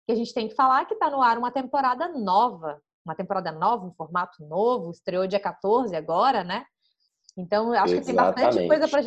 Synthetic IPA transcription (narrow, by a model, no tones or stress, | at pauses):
kɪaʒẽnt͡ʃɪ̥t̪ẽj̃kɪ̥falaɾkɪt̪anʊaɾũmɐt̪ẽmpoɾad̪ɐnɔvɐ | ũmɐt̪ẽmpoɾad̪ɐnɔvɐũfoɾmat̪ʊ̥novʊɪst̪ɾeod͡ʒiɐkat̪oɾzɪaɡɔɾɐnɛ | ẽnt̪ɐ̃w̃aʃʊ̥kɪt̪ẽj̃bast̪ɐ̃t͡ʃɪ̃kojzɐpɾɐʒ